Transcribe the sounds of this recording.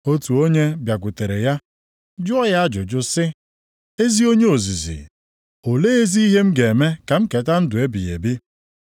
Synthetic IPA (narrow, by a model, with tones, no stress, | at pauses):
o˦tu˨o˦ɲe˦bja˨kʷʊ˨te˨ɾe˨ja˦ | d͡ʒʊ˦ɔ˦ja˦a˦d͡ʒʊ˨d͡ʒʊ˦sɪ˦ | e˦zi˦o˦ɲe˦o˨zi˨zḭ˨ | o˨le˦e˦zi˦i˦ɦe˦m̩˦ɡe˨me˦ka˨m̩˦ke˨ta˦n̩˦dʊ˨e˦bi˨jḛ˨bi˦